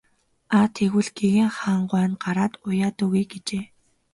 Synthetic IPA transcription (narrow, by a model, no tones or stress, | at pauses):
at̪ʰeɣwɘ̆ɮɡ̥eɣeːŋχaːɴɢwæːnɢaɾaːt̪ʊjaːt̪ʊːɣujɡet͡ɕeː